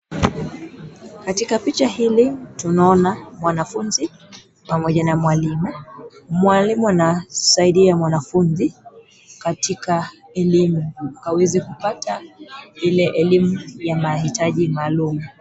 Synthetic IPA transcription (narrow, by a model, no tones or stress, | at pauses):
katikapit͡ʃahilitunaɔnamwanafunzi | pamɔʄanamwalimumwalimuanasaiɗiamwanafunzi | katikaɛlimukawɛzikupatailɛʔɛlimujamahitaʄimaːlumu